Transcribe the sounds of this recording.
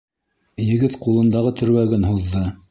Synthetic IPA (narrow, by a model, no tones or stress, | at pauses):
jɘ̆ɡɘt̪qulˠɤ̆nd̪ɑʁɤt̪ʰɵ̆ɾwæɡɘnɦuðːɤ